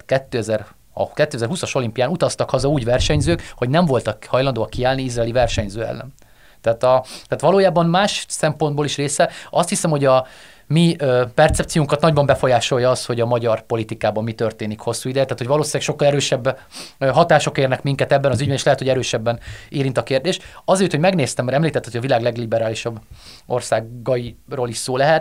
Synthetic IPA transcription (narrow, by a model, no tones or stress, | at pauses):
kɛt̪ːøːɛzɛr̰ | kɛt̪ːøːɛzɛrɦusɒʃo̞limpijaːnut̪ɒst̪ɒkhɒzɒuːɟvɛrʃɛɲzøːkho̞ɟnɛɱvo̞lt̪ɒkhɒjlɒnd̪oːɒkːiaːlniizraːlivɛrʃɛɲzøːɛ̰lːɛ̰n | t̪ɛaːt̪ɒt̪aːt̪ʋɒloːjaːbɒnmaːʃsɛmpod̪̚boːliʃreːsɛɒst̪hisɛmho̞ɟɒ | mipɛrt̪sɛpt̪sijuŋkɒt̪nɒɟbɒmbɛfo̞jaːʃo̞jɒɒsho̞ɟɒmɒɟɒrpo̞lit̪ikaːbɒmːit̪ørt̪eːnikho̞sːuːid̪ɛjɛt̪aːt̪ho̞ɟʋɒloːsilɛkʃo̞kːɒlɛɾøːʃɛbː | ɦɒt̪aːʃo̞keːrnɛkmiŋkɛt̪ɛbːɛnɒzyɟbɛneʃlɛɦɛt̪ho̞ɟɛɾøːʃɛbːɛneːɾint̪ɒkeːrd̪eːʃɒzeːjt̪hoɟmɛɡneːst̪ɛmːɛɾɛmliːt̪ɛt̪ːɛt̪hojɒvilaːɡlɛɡlibɛɾaːliʃɒbː | o̞rsaːɡɒiroːliʃsoːlɛɦɛt̪